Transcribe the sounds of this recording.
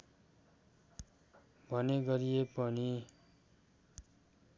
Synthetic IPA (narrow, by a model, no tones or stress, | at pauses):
bʱʌneɡʌɾijepʌni